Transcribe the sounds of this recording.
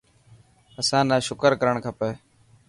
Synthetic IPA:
əsãːnaːʃʊkəɾkəɾəɳkʰəpeː

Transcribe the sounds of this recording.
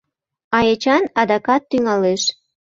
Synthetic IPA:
ɑjet͡ɕɑnɑd̪ɑkɑt̪ːyŋɑleʃ

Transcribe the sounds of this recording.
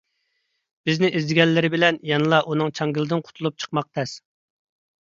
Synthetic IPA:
b̥ɪznɪʔizd̪ɪɡʲɛlːɪɾɪbɪlɛnjɑnɨlˠɑʔunɨŋt͡ʃʰɑŋɡʲilˠɨd̪ɪnqʰʊ̥t̪ʰulˠup̚t͡ʃʰə̥q̚mɑq̚t̪ʰɛs

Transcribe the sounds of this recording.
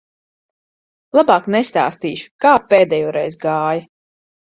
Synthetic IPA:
lˠabaːknɛst̪a̰ːst̪iːʃu̥kaːpeːd̪ɛːjɔːɾɛjzɡaːjɐ

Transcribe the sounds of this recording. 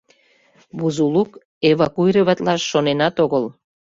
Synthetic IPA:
βuzuluk | eβɑkuiɾeβɑt̪lɑʃːonenɑt̪oɣəl

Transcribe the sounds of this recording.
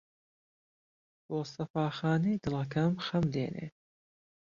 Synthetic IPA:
b̥oːsɐfaːxɑːnijd̪ɨlɐkʰɐmxɐmd̪eːnʔḛː

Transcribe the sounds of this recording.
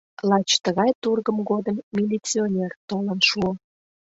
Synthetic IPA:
lɑt͡ɕt̪əɣɑjt̪urɣəmɡod̪əmːʲilʲit͡sionʲert̪olə̆nʃuo

